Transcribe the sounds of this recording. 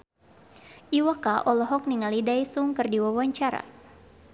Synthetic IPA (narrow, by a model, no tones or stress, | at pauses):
ʔiwakaʔɔlɔɦɔk̚niŋalidajsuŋkɨrdiwawaɲt͡ʃaɾa̰